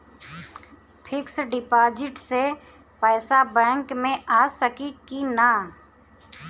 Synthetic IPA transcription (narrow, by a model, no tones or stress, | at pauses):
pʰɪksɖɪpaːd͡ʒɪʈse | pɛːsabɛ̃ːŋkmẽʔaːsəkikina